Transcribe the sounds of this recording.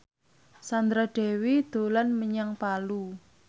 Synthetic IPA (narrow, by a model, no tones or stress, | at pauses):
sand̪ɾaɖ̥ɛ̤wid̪̥o̤lanməɲaŋpalu